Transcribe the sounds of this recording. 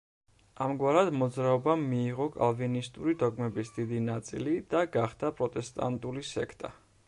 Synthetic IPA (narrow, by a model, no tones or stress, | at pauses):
amɡwaɾad̪mɔd̪zɾaɔbamiːʁɔkʼa̰lˠvinist̪ʼuɾid̪ɔɡmɛbisd̪id̪inat̪sʼḭlid̪̥aɡaχd̪apʼɾɔt̪ʼɛst̪ʼa̰nt̪ʼulisɛkʰt̪ʼa̰